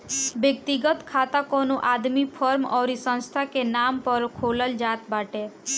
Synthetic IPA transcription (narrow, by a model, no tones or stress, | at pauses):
bek̚t̪iɡɔt̪kʰat̪akonoʔad̪mipʰɔɾmɔwɾisɔ̃nst̪ʰakenampɔɾkʰolɔld͡ʒat̪baʈe